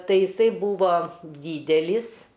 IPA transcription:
tɐɪ jɪˈsɐɪ ˈbuːʋɐ ˈdʲiːdʲɛlʲɪs

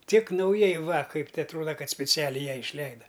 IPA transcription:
tʲɪk nɐʊˈjɛɪ ʋɐ ˈkɐɪp tʲɛ ɐtˈruɔdɐ ˈkɐt sʲpʲɪˈt͡sʲæːlʲɛɪ ˈjɛɪ ɪʃʲˈlʲɛɪdɐ

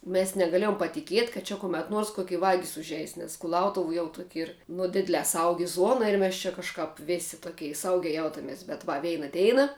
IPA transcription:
mʲɛs nʲɛɡɐˈlʲeːjoːm pɐtʲɪˈkʲiɛtʲ kɐt ˈt͡ʃʲɛ kʊˈmʲɛt ˈnuɔrs koːˈkʲɪ ˈʋɑːɡʲɪs ʊʒʲˈɛɪs nʲɛs kʊˈlˠɐʊtʊw jɛʊ tuɔkʲ ˈiːr ˈnʊ ˈdʲɪdʲlʲɛː ˈsɐʊɡʲɪ ˈzuɔnɐ ɪr ˈmʲɛs t͡ʃʲɛ kɐʃˈkɑːp ˈʋʲeːsʲɪ toːˈkʲɛɪ ˈsɐʊɡʲɛɪ ˈjɛʊtɐmʲɛs bʲɛt ˈʋɐ ˈʋʲɛɪnɐ ˈdʲɛɪnɐ

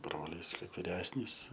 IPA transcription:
ˈbroːlʲiːs ˈkɐɪp ʋʲɪˈrʲæːsʲnʲiːs

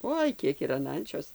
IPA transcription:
ˈoːɪ ˈkʲiɛk ɪr ɐn ˈɐnʲt͡ʃʲoːs

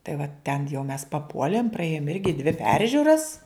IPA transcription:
tɐɪ ʋɐ tʲɛn jɛʊ mʲɛs pɐˈpuɔlʲeːm prɐˈeːjoːm ˈɪrʲɡʲɪ dʲʋʲɪ ˈpʲɛrʲʒʲʊrɐs

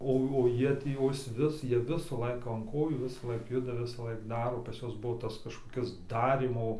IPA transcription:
ˈoː oː ˈjiɛ tʲiː oː ˈɪs ʋʲɪs ˈjiɛ ˈʋʲɪsɐ ˈlˠɐɪkɐ ɐn ˈkoːjuː ˈʋʲɪsɐlˠɐɪk ˈjʊdɐ ˈʋʲɪsɐlˠɐɪk ˈdɑːroː pɐs ˈjuɔs ˈbuɔ ˈtɐs kɐʃkoːˈkʲɪs ˈdɑːrʲiːmoː

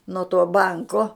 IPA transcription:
nuɔ tuɔ ˈbɐŋkoː

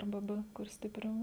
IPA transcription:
ɐrˈbɐ ˈbɘ kʊr sʲtʲɪˈpʲrʲɛʊ

